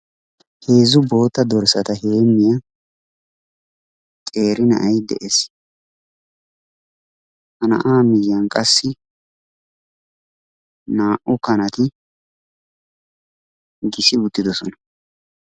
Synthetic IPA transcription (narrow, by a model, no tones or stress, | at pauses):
he̞ːzʊbo̞ːt̪ːɐd̪ɔɾsɐt̪ɐheːmːɪjɐ | t̪ʼe̞ːɾɪnɐ̰ʔɐjd̪ɛ̰ʔes | hɐnɐ̰ʔaːmɪjːɐnkʼɐsːɪ | naːʔʊkɐnɐt̪ɪ | ɡɪsɪʊt̪ːɪd̪ɔsɔnɐ̥